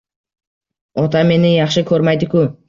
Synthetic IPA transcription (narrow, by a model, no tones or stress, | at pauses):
ɒt̪ʰame̞nɪjɑχʃɪkʲʰɵɾmajd̪ɪkʰʊ